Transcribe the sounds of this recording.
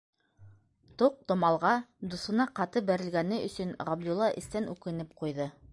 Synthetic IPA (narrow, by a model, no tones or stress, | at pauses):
t̪oq̚t̪ŏmɑlˠʁɑd̪usŏnɑqɑt̪ɤbæɾɘ̆lɡænɘɵ̆sɵnʁɑbd̪ulˠːɑʔɘ̰̆st̪ænʉkɘ̆nɘp̚qujðɤ